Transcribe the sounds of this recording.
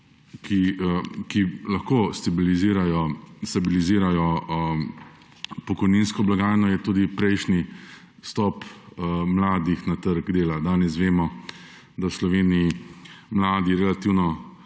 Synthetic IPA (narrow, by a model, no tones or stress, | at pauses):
kikilaxkoːst̪abiliziɾajɔst̪abiliziːɾajɔ | pɔkɔjninskɔblaɡaːjnɔjɛt̪uːd̪ipɾɛjʃni | st̪ɔːpmlaːd̪ixnat̪əɾɡd̪eːlad̪aːnɛs̬ʋeːmɔ | d̪aslɔʋeːniimlaːd̪iɾɛlat̪iːwnɔ